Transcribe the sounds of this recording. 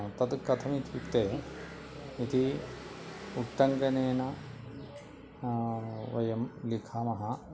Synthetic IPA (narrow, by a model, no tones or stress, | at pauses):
t̪ɐt̪kɐt̪ʰɐmit̪ʰʋipt̪eː | it̪i | uʈːɐŋɡɐneːnɐ | ʋɐjɐmlikʰaːmɐɦɐ